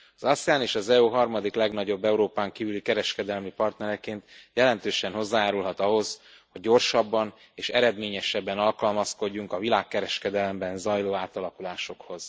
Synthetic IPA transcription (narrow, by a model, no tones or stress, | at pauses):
ɒzɒsɛjaːneːʃɒzɛuɦɒrmɒd̪iklɛɡnɒɟo̞bːɛuɾoːpaːŋkiːvylikɛɾɛʃkɛd̪ɛlmipɒrt̪nɛɾɛkeːnt̪jɛlɛnt̪øːʃɛnɦo̞zːaːjaːɾulɦɒt̪ɒɦo̞z | ho̞ɟːo̞rʃɒbːɒn | eːʃɛ̰ɾɛd̪meːɲɛʃɛbːɛnɒlkɒlmɒsko̞ɟːuŋkɒvilaːkːɛɾɛʃkɛd̪ɛlɛmbɛnzɒjloːaːt̪ɒlɒkulaːʃo̞kho̞z̥